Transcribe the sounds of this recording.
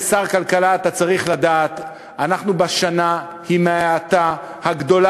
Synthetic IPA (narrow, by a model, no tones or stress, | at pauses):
saʁkalkalaːt̪at͡saʁiχlad̪aːt̪ | anaχnubaʃana | himeaat̪a | haɡd̪o̞la